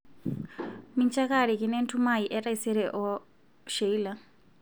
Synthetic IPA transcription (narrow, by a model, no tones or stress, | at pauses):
mint͡ʃʰʼakaɺikʼinɛntʰumaiʔɛraisɛɾɛʔɔ | ʃeila